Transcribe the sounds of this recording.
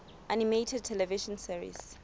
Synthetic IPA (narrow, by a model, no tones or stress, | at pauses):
ʔanimetʰɛd̚tʰɛlɛviʃɔ̃nsiɹḭs